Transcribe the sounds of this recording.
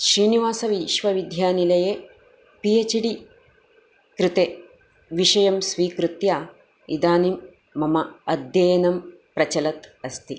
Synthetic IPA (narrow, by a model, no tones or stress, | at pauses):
ʃɾiːniʋaːsɐʋiʃʋɐʋid̪ʱjaːnilɐjeː | pijet͡ʃiɽi | kɾut̪e | ʋiʃɐjɐmsʋiːkɾut̪jaː | id̪aːnimː | ɐmɐɐd̪ʱjɐjɐnɐm | pɾɐt͡ʃɐlɐt̪ɐst̪i